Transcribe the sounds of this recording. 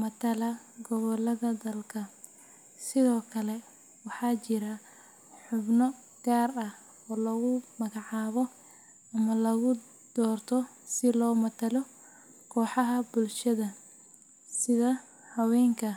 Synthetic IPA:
mɐt̪ʰɐlɐ | ɡɔɣɔlɐðɐd̪ɐlkʰɐ | sɪðɔːkʰɐlɛ | wɑħɑːt͡ʃɪɾɐ | ħʊbnɔ | ɡ̥aːrɐh | ɔːlɐɣʊmɐɣɑʕɑːβɔ | ɐmɐlɐɣʊ | d̪̥ɔːrt̪ʰɔsɪlɔːmɐt̪ʰɐlɔ | kʰɔːħɑɦɐbʊlʃɐðɐ | sɪðɐ | hɐwɛːŋkʰɐ

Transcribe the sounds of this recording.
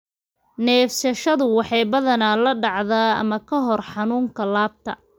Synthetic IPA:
nɛːfsɐʃɐðʊwɑħɑjbɐðɐnalɐɖɑʕðaːɐ̰mɐkʰɐɦɔrħɑnuːŋkʰɐlaːb̚t̪ʰɐ̰

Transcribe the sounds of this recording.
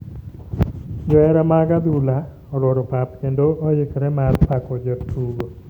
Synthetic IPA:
d͡ʒɔɛɾamaɡad̪ula | ɔlwoɾopap̚kendoɔjɪkɾɛmadpakɔd͡ʒəpt̪uɡo

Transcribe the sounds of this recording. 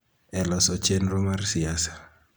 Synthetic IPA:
ɛlɔsɔt͡ʃenɾomarsɪasḁ

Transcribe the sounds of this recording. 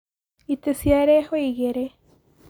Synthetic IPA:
it̪esjaɾehoiɣeɾe

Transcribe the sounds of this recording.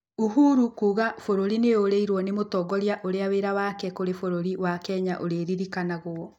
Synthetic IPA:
oɦuɾukuːɣafoɾoɾineoɾeiɾwɔnemotɔɡɔɾjaʔoɾeaweɾawakɛkoɾefoɾoɾiwakɛɲaʔoɾeɾiɾikanaɣoɔ

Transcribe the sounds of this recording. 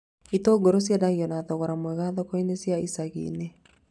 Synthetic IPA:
itoɡoɾos̬jadaɣiɔnaðɔɣɔɾamwɛɣaðɔkɔinesjaisaɣḭne

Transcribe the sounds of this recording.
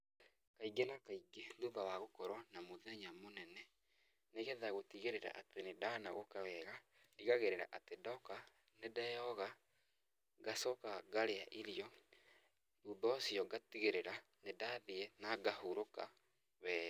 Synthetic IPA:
kaiɡenakaiɡeðubawaɣokɔɾwanamoðɛɲamonɛnɛ | neɣɛðaɣotiɣeɾeɾa̰ʔa̰tenedanaɣokawɛɣadiɣaɣeɾeɾa̰ʔatedɔka | nedajɔɣa | ɡasɔkaɡaɾeaʔiɾiɔ | ðubaasiɔɡatiɣeɾeɾa | nedaðiɛnaɡahoɾoka̰ | βɛː

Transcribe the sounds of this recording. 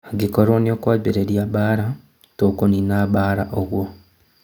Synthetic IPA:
ɡikoɾoːniokwaːβiɾeɾjaβaːɾa | toːkoninaβaːɾaʔoɣwo

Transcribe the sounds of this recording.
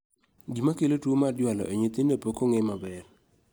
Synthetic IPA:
ɡimakelotumadjwalɔ̰ʔeɲet̪indepokoŋemabɛr

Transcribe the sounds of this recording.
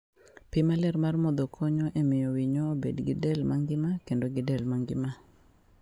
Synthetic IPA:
pɪmalɛrmarmɔd̪okʰɔɲɔʔemɪjowiɲoːbedɡɪdɛlmaŋɡɪmakendoɡɪdɛlmaŋɡɪma

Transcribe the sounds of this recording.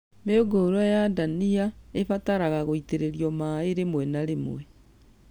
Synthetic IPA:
meoɡoːɾwajadaniaefataɾaɣaɣoiteɾeɾijɔmaeɾemwɛnaɾemwɛ

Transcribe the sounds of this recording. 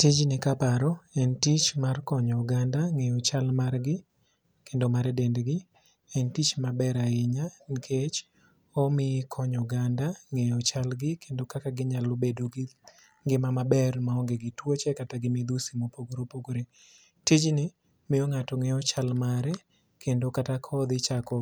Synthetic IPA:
tid͡ʒnɪkapaɾɔɛntit͡ʃmarkɔɲɔuɡandaŋejɔt͡ʃalmarɡɪ | kʰendomaɾɛdendɡɪ | ɛntit͡ʃmabɛɾaɪɲankʰet͡ʃ | ɔmɪkʰɔɲɔɡandaŋejɔt͡ʃalɡɪkʰendokakaɡɪɲalobedoɡ | ŋɡɪmamabɛrmaɔŋɡeɡɪtwot͡ʃɛkataɡɪmɪd̪usimopoɡɾopoɡɾe | tit͡ʃnɪ | mɪjɔŋatɔŋejɔt͡ʃalmaɾɛ | kʰendokatakʰɔd̪ɪt͡ʃakɔ

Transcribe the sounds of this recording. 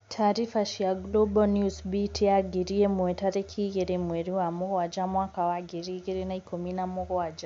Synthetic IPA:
tʰaːɾifaʃiaɡlɔbɔnjusbitʰiaɡiɾiɛmuɛtaɾɛkʰiɣɛɾimwɛɾiwamɔɣɔwad͡ʒamwakawaɡiɾiɣɛɾinaikɔminamɔɣɔwad͡ʒa

